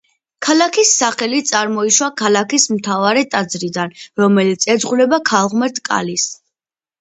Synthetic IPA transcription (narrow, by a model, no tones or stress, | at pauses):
kʰalakʰisːaχɛlit̪sʼaɾmɔiʃwakʰalakismt̪ʰavaɾɛt̪ʼad̪zɾid̪anɾɔmɛlit̪sʰɛd̪zʁulɛbakʰalˠʁmɛɾt̪ʰkʼa̰lis